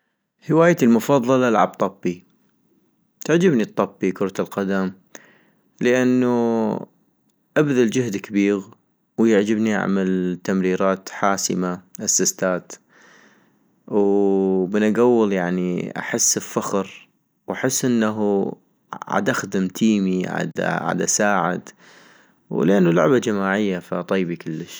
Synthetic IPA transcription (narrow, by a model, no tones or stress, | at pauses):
hɪwaːjt̪lmʊfɑðˤːɑlɑlʕa̰b̚t̪ˤɑbːi | t̪aʕd͡ʒɪbnit̪ˤːɑbːikʊɾˤt̪alqad̪am | ləʔanːu | ʔabðald͡ʒɪhd̪kabiːɣ | wjaʕd͡ʒɪbniʔa̰ʕmalt̪amɾiːɾaːt̪ħaːsə̰maʔasːast̪aːt̪ | wbɪnʔaɡawːəljaʕniʔa̰ħɪsːɪlfaxɾ | wʔaħɪsːʔɪnːaɦu | ʕa̰d̪ʔaxd̪ɪmt̪ʰiːmiʕa̰d̪ʕa̰d̪ʔa̰saːʕɪ̰d̪ | wlʔanːulʊ̰ʕbad͡ʒamaːʕɪjːafat̪ˤijːbikʊlːəʃ